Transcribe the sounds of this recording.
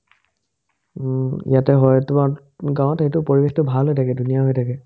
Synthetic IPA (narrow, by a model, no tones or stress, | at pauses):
ijatɛɦɔjtʊmaɹ | ɡãw̃ɔtxejtʊpoɹibextʊbʱalɦojtʰakɛdunijaɦojtʰakɛ